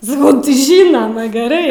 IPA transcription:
sɐˈkɐʊ tɐɪ ˈʒʲiːnoːmɐ ɡʲɛˈrɐɪ

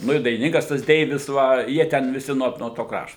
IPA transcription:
ˈnʊ ɪ dɐɪnʲɪˈnʲɪŋkɐs tɐs ˈdʲɛɪʋʲɪs ˈʋɐ jiɛ ˈtʲɛn ʋʲɪˈsʲɪ nuɔ nuɔ ˈtoː ˈkrɑːʃtoː

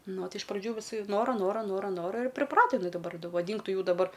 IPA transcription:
ˈnoː ˈtɐɪ ɪʃ prɐˈd͡ʒʲuː ʋʲɪˈsʲɪ ˈnoːrɐ ˈnoːrɐ ˈnoːrɐ ˈnoːrɐ ɪr pʲrʲɪˈprɑːtoː jɪˈnɐɪ dɐˈbɐr ʋɐˈdʲiːŋk ˈtʊ ˈjuː dɐˈbɐr

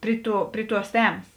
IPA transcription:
ˈpʲrʲɪ ˌtuː ˈpʲrʲɪ ˌtuɔs ˈtʲæːmɐs

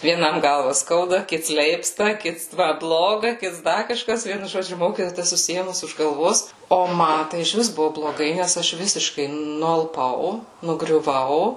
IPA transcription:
ʋʲiɛˈnɐm ˈɡɐlˠʋɐ ˈskɐʊdɐ ˈkʲɪts ˈlʲɛɪpstɐ ˈkʲɪts ˈmɐ ˈblˠoːɡɐ ˈkʲɪts ˈdɐ kɐˈʃkɐs ˈʋʲiɛnʊ ˈʒoːd͡ʒʲʊ ˈmoːkʲiːtoːjɛ tɐ sʊsʲɪˈeːmʊs ʊʃ ɡɐlˠˈʋoːs oː ˈmɐ tɐɪ ɪʃʲˈʋʲɪs ˈbʊʋoː blˠoːˈɡɐɪ nʲɛs ˈɐʃ ˈʋʲɪsʲɪʃkɐɪ nʊɐlˠˈpɐʊ nʊɡrʲʊˈʋɐʊ

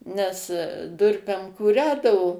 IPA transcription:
nʲɛs ˈdʊrʲpʲɛm kuːˈrʲæːdɐʋoː

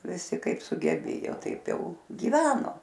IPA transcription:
ʋʲɪˈsʲɪ ˈkɐɪp sʊɡʲɛˈbʲeːjoː ˈtɐɪp ˈjɛʊ ɡʲiːˈʋʲæːnoː

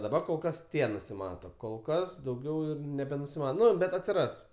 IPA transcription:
dɐˈbɐr koːlˠ ˈkɐs ˈtʲiɛ nʊsʲɪˈmɑːtoː koːlˠ ˈkɐs dɐʊˈɡʲɛʊ ɪr nʲɛbʲɛnʊsʲɪˈmɐ ˈnʊ ˈbʲɛt ɐtʲsʲɪˈrɐs

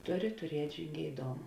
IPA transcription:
ˈtʊˌrʲɪ tʊˈrʲiɛtʲ ʒʲɪŋʲɡʲɛɪˈdoːmɐ

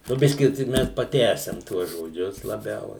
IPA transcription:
nʊ ˈbʲɪsʲkʲɪ tʲɛɪ ˈmʲɛs pɐˈtʲæːsʲɛm ˈtuɔs ʒoːˈd͡ʒʲʊs lˠɐˈbʲɛʊ

